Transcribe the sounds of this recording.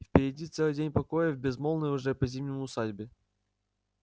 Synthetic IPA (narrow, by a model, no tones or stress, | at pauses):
fpʲɪɾʲɪdʲit̪sɛlˠɨjdʲenʲpɐkojəvbʲɪzmolˠnəjʊʐɛpɐzʲimʲnʲəmʊsadʲbʲɪ